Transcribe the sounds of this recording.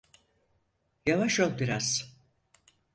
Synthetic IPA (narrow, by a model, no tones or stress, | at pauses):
javaʃjol̚ˠbiɾaz̥